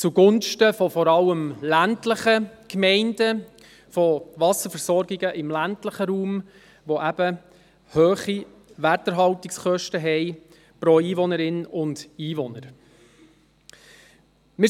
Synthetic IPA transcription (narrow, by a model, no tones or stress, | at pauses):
t͡suɡ̥ʊnʃtəfɔfɔɾɑləmlæntləχəkmɛɪndə | fɔʋɑsəfəɾsɔɾɡiɡəʔɪmlæntləχəɾuːm | ʋoʔæb̥ə | høːχi | ʋætəɾɦɑwtɪkskœʃtəɦɛɪ | pɾoiːʋɔnəɾɪnʊndiːʋɔnəɾ | mɪ